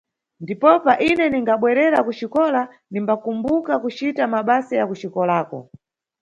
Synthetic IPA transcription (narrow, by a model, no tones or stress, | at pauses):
ndipɔpaʔinɛniŋɡaɓwɛɾɛɾakut͡ʃikɔla | nimbakumbukakut͡ʃitamaɓasijakut͡ʃikɔlaːkɔ̰